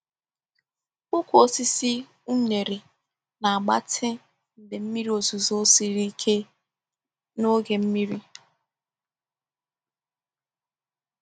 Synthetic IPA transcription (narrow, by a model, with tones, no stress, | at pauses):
ʊ˦kʷo˦˨si˦si˦ | u˦ɲe˨ɾe˨ | na˨a˨ɡ͡ba̰˦tʰɪ˦ | n̩˨dɪ˨m̩˦mi˦ɾi˦o˨zu˨zo˦si˨ɾi˦kʰe˦ | no˦ɡe˨m̩˦mi˦ɾi˦